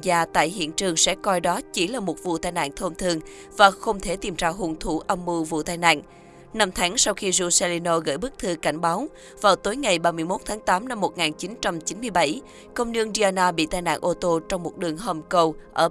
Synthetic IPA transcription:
zaː˧t̪a̰ː˧˨jɦḭ˧˨ənt͡ɕɨ˨˩əŋsɛ̰˧˥kɔ˧jɗɔ˨˦t͡ɕi˧˩laː˨˩mo˨˩t̚vṵ˧˨t̪aː˧jna̰ː˧˨nt̪ʰo˧mt̪ʰɨ˧əŋ | vaː˨˩xə˧wŋ͡mt̪ʰe˧˩t̪i˨˩mt͡ɕaː˧˩wɦu˨˩ŋt̪ʰu˧˩ʔa˧mːu˧vṵ˧˨t̪aː˧jna̰ː˧˨n | na˧mt̪ʰa˨˦ŋsa˧wxi˧zu˧sɛ˧li˧no˧ɣə̰˧˥˩jɓɨ˦˥k̚t̪ʰɨ˧ka˧˩jŋ̟ɓaː˨˦w | vaː˨˩wt̪o˨˦jŋa˨˩jɓaː˧mɨ˧jmo˦˥t̚t̪ʰaː˨˦ŋt̪aː˨˦mna˧mːo˨˩t̚ŋaː˨˩nt͡ɕi˨˦nt͡ɕa˧mt͡ɕi˨˦nmɨ˧əjɓa˧˩j | kə˧wŋ͡mnɨ˧əŋzi˧a˧naː˧ɓḭ˧˨t̪aː˧jna̰ː˧˨nʔo˧t̪o˧t͡ɕɔ˧wŋ͡mmo˨˩t̚ɗɨ˨˩əŋɦə˨˩mkə˧wʔəː˧˩

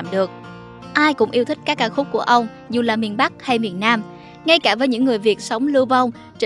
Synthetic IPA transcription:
mɗɨ˨˩ək̚ | ʔaː˧jkʊ̰˧˥ŋ͡mʔi˧ət̪ʰï˦˥k̟kaː˦˥kːaː˧˦xʊ˦˥k͡p̚ku˧˩əʔə˧wŋ͡m | zu˨˩laː˨˩mi˨˩ənɓa˦˥k̚ha˧jmi˨˩ənːaː˧m | ŋa˧jkaː˧˩vəː˨˦jɲɨ̰˧˥ŋːɨ˨˩əjvi˨˩ət̚sə˨˦wŋ͡mlɨ˧wva˧wŋ͡m | t͡ɕ

